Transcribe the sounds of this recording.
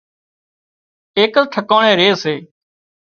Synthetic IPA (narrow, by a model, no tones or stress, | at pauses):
eːkəltʈ̪ʰəkoːɳẽːɾeːseː